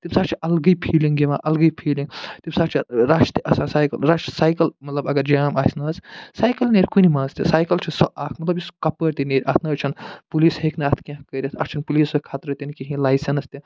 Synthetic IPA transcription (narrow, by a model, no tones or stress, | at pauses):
t̪imsaːɾt͡ʃʰiʔɐlɡɐjpʰiːliŋɡɡiʋãʔɐlɡɐjpʰiːliŋɡt̪imsaɾt͡ʃʰiɾaʃt̪iʔɐsasaːjkɐlɾaːʃsaːjkɐlmɐt̪lɐbɐɡɐɾd͡ʒaːmaːsʲnɐssaːjkɐlneːɾʲkunimãːnzt̪isaːjkɐlt͡ʃʰisɔʔaːkʰmɐt̪lɐbjiskɐpəɾt̪ineːɾʲʔɐt̪ʰnɐːt͡ʃʰɐnpuliːsɦeknaːt̪ʰkʲɐ̃ɦkəɾʲɐt̪ʰɐ̰kt͡ʃʰɐnpuliːsɐkʰaːt̪ɾɐt̪ʲinikiɦĩlaːjsɐnst̪i